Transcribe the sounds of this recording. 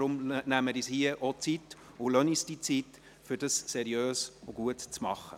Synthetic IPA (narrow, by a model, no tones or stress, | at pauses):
ɾʊmnæməɾishiəʔɔt͡sit̪ | ʊlœnisd̥it͡sit | fʏɾdɑssɛɾjøːsʊɡ̥uətt͡smɑχə̰